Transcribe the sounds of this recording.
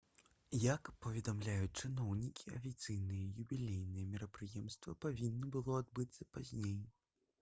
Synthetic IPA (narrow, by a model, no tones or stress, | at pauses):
jakpɐvʲɛd̪amlʲajut͡s̚ʲt͡ʂɨnɔwnʲikʲiafʲit̪sɨjnɨjɛjubʲilʲejnɨjɛmʲiɾɐpɾɨjɛmst̪vɐpavʲinːɐbɨlˠɔad̪̚bɨt̪sɐpazʲnʲej